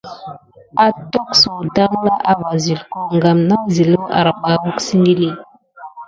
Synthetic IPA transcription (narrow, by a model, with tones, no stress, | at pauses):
a˦tɔ˦kso˨da˦ŋla˦ʔa˦va˨zi˨lko˦ŋɡa˨mna˦zi˨lo˦ʔa̰˨ɾa˨ba˨˦wu˦ksi˦ŋɡi˦li˦˨